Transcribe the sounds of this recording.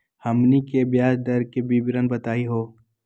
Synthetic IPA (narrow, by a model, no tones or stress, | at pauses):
hɐmnikebjaːd͡ʒd̪ɐɾkebiːbɾənbɐt̪aːiɦoː